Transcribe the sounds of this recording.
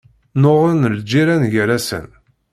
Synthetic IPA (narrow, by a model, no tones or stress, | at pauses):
noʁinəld͡ʒːiɾænʝəɾæsə̰n